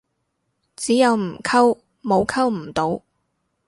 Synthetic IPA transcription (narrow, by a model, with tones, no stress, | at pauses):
t͡siː˨˥jɐ˨˧wm̩˨˩kʰɐ˥w | mo˨˧wkʰɐ˥wm̩˨˩t̪o˨˧w